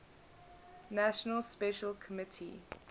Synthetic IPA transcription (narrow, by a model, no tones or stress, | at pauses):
naʃənəlˠspɛʃəlˠkʰəmɪtʰḭ